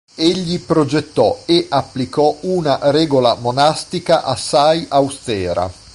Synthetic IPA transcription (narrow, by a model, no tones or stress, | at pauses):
eʎːipɾod͡ʒet̪ːɔeʔapːlikɔunaɾɛːɡolamonast̪ikaʔasːajʔawst̪ɛːɾa̰